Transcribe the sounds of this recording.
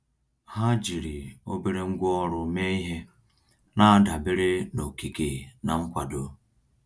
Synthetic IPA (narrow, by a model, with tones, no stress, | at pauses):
ha˦d͡ʒi˨ɾi˨o˦be˦ɾe˦ŋ̩˦ɡʷɔ˦ɾʊ˨me˦i˦ɦe˦ | na˦da˨be˦ɾe˦no˨ki˨ke˨na˨ŋ̩˦kʷa˨do˨